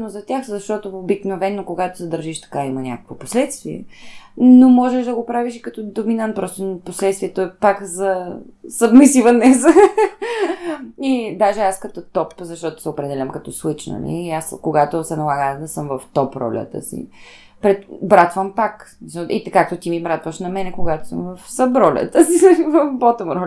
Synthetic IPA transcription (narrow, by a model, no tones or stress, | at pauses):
nozɐt̪ʲjaxzɐʃt̪ɔt̪oobiknovɛnːokoɡat̪o̥sɛd̪əɾʒiʃt̪ɐ̥kaimɐnʲa̰kə̥kvoposlɛt̪st̪viɛ̰ | nomɔʒɛʃd̪ɐɡopɾaviʃi̥kɐt̪ɔd̪ominant̪̚pɾɔst̪onposlɛt̪st̪viɛt̪oɛpakzɐ | sɐbmɛsivɐnnɛzə | id̪aʒɛaskɐt̪ɔt̪ɔpzɐʃt̪ɔt̪o̥sɛopɾɛd̪ɛlʲəmkɐt̪ɔslˠit͡ʃnə̰nɛ̰iaskoɡat̪osɛnɐlˠaɡəd̪ɐsɤmvɐft̪ɔpɾɔ̰lʲə̰t̪ə̰sḭ | pɾɛt̪bɾat̪vəmpaksmisʔḭt̪kak̚t̪ot̪imibɾat̪vəʃnɐmɛnɛkoɡat̪o̥səmvɐfsəbɾɔlʲə̰t̪əsivɐfbɔt̪omɾɔl